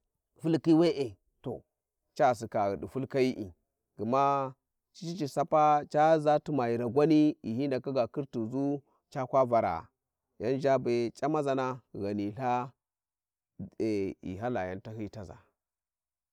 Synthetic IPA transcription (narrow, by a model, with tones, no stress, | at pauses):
fu˦lki˦we˦ʔe˨ | to̰˨ | t͡ʃa˦˨s̬i˨ka˨ɣɗi˨fu˦lka˦i˦ʔḭ˨ | ɡi˨ma˦ | t͡ʃi̥˦t͡ʃi˦t͡ʃi˨sa˦pa˦t͡ʃa˦za˦tu˦ma˨ji˨ɾa˨ɡʷa˦ni˦i˨hi˦nda˨ka˦ɡa˨ki˦ɾtu˨zu˦ | t͡ʃa˦kʷa˦va˨ɾa̰˨ | ja˦nd͡ʒa˦be˨t͡ʃʼa˦ma˦za˨na˦ɣa˨ni˨ɬa˦ | e˨ḭ˨ɦa˦la˨ja˦nta˦hi˦ta˨za̰˨